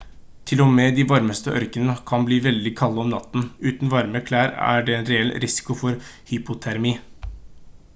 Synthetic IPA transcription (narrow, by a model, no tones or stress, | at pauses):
t̪ʰɪlɔmeːd̪iʋɑɾməst̪əʔœ̰ɾkənəəkʰɑnbliːʋɛld̪ɪkʰɑlːəɔmnɑ̰t̪ːn̩ʉːt̪nʋɑɾməkʰlæːɾæ̰ɖɛɛnɾɛɛlːɾɪsɪ̥kʊfɔɾhʏpʊt̪ʰæɾmiː